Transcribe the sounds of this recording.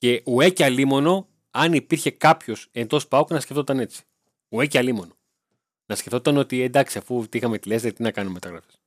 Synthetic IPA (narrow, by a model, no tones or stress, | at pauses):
ce̞ʔueciɐlimo̞no̞ | ɐnipiɾçe̞kɐpço̞se̞nd̪o̞spɐoknɐsceft̪o̞t̪ɐne̞t͡si̥ | ue̞cɐlimo̞no̞ | nɐsce̞ft̪ot̪ɐno̞t̪ie̞nd̪ɐksiɐfut̪ixɐmet̪ilesɾet̪inɐkɐnumet̪ɐɣɾɐfes